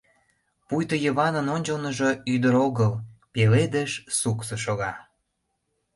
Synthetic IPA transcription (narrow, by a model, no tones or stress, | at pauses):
pujt̪ojəβɑnənonʲt͡ɕəlnəʒoyd̪əɾoɣəlpeled̪əʃsuksə̆ʃoɣɑ